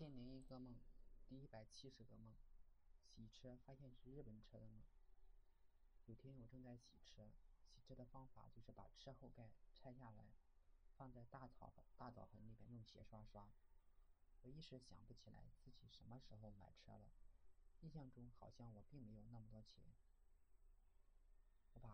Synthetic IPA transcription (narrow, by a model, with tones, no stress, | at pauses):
t͡ɕjɛ˥˩njɛ˧˥ni˧˩ɡə˥˧mɤ˥˩ŋt̪i˥˩i˥pa˨˩ɪt͡ɕʰi˥ʂɻ̩˧˥ɡə˧mɤ˥˩ŋɕi˨˩ʈ͡ʂʰɤ˥fa˥ɕjɛ˥˧nʂɻ̩˥˧ɻ̩˥˩pə˨˩nʈ͡ʂʰɤ˥d̪ə˨mɤ˥˩ŋ | jo˨˩ʊt̪ʰjɛ˥nwɔ˨˩ʈ͡ʂɤ˥˧ŋt͡sa˥˩ɪɕi˨˩ʈ͡ʂʰɤ˥ɕi˨˩ʈ͡ʂʰɤ˥d̪ə˨fɑ˥ŋfa̰˨˩t͡ɕjo˥˧ʊʂɻ̩˥˩pa̰˨˩ʈ͡ʂʰɤ˥xo˥˧ʊka˥˩ɪʈ͡ʂʰa˥ɪɕja˥˩la˧˥ɪfɑ˥˧ŋt͡sa˥˧ɪt̪a˥˩t͡st̪a˥˩t͡sɑ̰˨˩ʊxə˧˥nli˨˩mjɛ˥njʊ˥˩ŋɕjɛ̰˧˥ʂwa˥ʂwa˥ | wɔ˧˨˩i˥ʈ͡ʂɻ̩˧˥ɕjɑ̰˨˩ŋpu˥t͡ɕʰi˨˩la̰˧˥ɪt͡sɹ̩˥˩t͡ɕi˨˩ʂə˧˥nmə˧ʂɻ̩˧˥xo˧ʊma̰˨˩ɪʈ͡ʂʰɤ̰˥lə˨i˥˧ɕ̬jɑ˥˩ŋʈ͡ʂʊ˥ŋxɑ˨˩ʊɕjɑ˥˩ŋwɔ˨˩pi˥˩ŋme˧˥ɪjʊ˥˧ŋna˥˩mə˩t̪wɔ˥t͡ɕʰjɛ̰˧˥n | wɔ˧˥pa˨˩